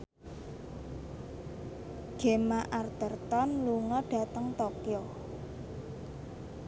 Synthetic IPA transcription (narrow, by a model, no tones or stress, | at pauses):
ɡ̥emaʔart̪ərt̪ɔnluŋɔɖ̥ä̤tɖ̪əŋt̪okjo